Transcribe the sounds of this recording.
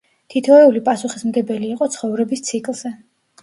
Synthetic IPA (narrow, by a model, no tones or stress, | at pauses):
t̪ʰit̪ʰɔɛulipʼasuχismɡɛbɛliːqʼɔt̪sʰχɔvɾɛbist̪sʰikʼlˠz̥ɛ